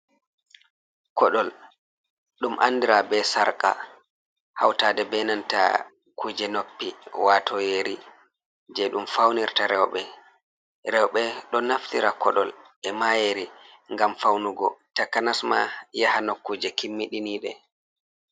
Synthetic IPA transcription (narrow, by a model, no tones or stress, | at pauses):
kɔɗɔl | ɗumʔa̰nːdiɾabɛsaɾkʼa̰ | hawtaːdɛbɛnanta̰ | kud͡ʒɛnopːiwaːtʰɔjeɾi | d͡ʒɛɗumfawniɾtaɾɛwɓɛ | ɾɛwɓɛɗɔnaftiɾakɔ̰ɗɔl | ɛmajeɾi | ŋɡamfawnuɡɔtakːanasmajahanokːud͡ʒɛkimːiɗiniːɗɛ